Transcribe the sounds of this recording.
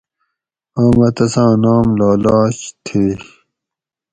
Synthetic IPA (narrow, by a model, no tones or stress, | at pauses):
aːmɐt̪ɐsãːnaːmlaːlaːɕt̪ʰe